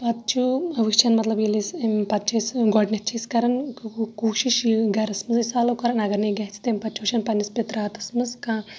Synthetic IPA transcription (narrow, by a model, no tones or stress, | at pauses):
pɐt̪̚t͡ʃʰuɐʋɨt͡ʃʰɐnmɐt̪lɐbjilispɐt̪̚t͡ʃʰɐsɡɔɖnʲɐt̪t͡ʃʰɐːskɐɾɐnkuːʃiʃiɡɐɾɐsmɨzisaːlokɐɾɐnɐɡɐɾneɡɐɦt͡sʰi̥t̪empɐt̪t͡ʃʰuʋʃʰɐnpɐnispet̪ɾaːt̪ɨ̥smɨzkãː